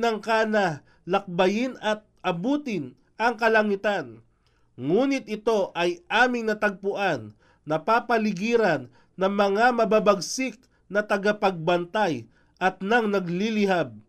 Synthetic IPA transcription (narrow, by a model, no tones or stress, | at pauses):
nɐŋkaːnɐ | lɐk̚bɐjɪnɐt̪̚ʔɐbuːt̪ɪn | ʔɐŋkɐlɐŋɪt̪an | ŋuːnɪt̪̚ɪt̪o̞ʔɐjʔaːmɪŋnɐt̪ɐɡ̚pʊʔanː | ɐpaːpɐlɪɡiːɾɐnː | ɐŋmɐŋamɐbabɐɡsɪk̚ | nɐt̪ɐɡapɐɡ̚bɐnt̪aj | ʔɐt̪̚nɐŋnɐɡlilɪɦab̚